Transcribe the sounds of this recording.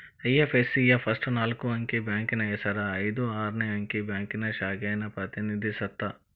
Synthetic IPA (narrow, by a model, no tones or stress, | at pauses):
ɐjafʰeːsijafʰɐsʈnaːlkoɐ̃ŋkebɛ̃ːŋknɐjɐsɐɾaid̪oːaːɾneɐŋkebɛ̃ːŋknɐʃaːɡanɐpɾɐt̪inid̪esɐk̚t̪aː